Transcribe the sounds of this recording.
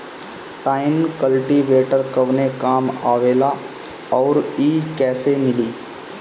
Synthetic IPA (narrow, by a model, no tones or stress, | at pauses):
ʈaːɪnkəlʈiʋeːʈəɾkɐʋnekaːmaːʋeːla | ɔːɾiːkɛːsemɪliː